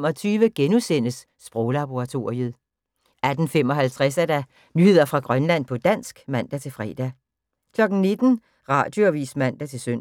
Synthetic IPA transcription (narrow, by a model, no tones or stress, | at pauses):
mɒ̽t͡sʰyːʋəɡ̥enusen̰əsːb̥ʁɔʊlɑb̥o̝ʁɑ̈t͡sʰo̝ɐ̰ʁiəð̩ˠ | æd̥n̩fem̰ɒ̽ɦælt͡sʰʁɛsæd̥æ | nyhe̝ð̞̰ˠɐfʁɑ̈ɡ̥ʁɶnlæn̰pʰɒ̽d̥æn̰sɡ̥mæn̰d̥æt͡sʰe̝lfʁɛ̰ːd̥æ | kʰlɒ̽ɡ̥n̩ne̝d̥n̩ | ʁɑ̰̈d̥joʋḭːsmæn̰d̥æt͡sʰe̝lsøn̰